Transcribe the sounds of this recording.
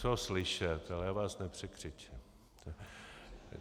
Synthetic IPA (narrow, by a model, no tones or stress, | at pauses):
t͡soslɪʃɛt̪alɛjaːvaːsnɛpr̝̥ɛkr̝̥ɪt͡ʃɪm | t̪o